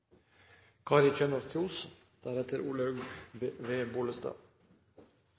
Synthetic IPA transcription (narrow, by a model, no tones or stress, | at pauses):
kʰɑːɾɪt͡ʃœnɔft̪ʰjuːs | d̪̥æɾɛt̪əɾuːlɑʉɡʋeːbuːləst̪ɑ̰